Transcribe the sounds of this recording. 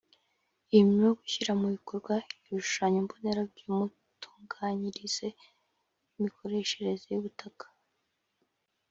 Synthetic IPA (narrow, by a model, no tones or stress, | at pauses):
ijuumjoɡuçiɾamuβikoɾɡwaiɾuʃu̥ʃaːɲombone̞ɾabɟimu | tʰuːŋɡaɲiɾiz̥e̞ | imikʰo̞ɾe̞ʃe̞ɾe̞zejuβutakḁ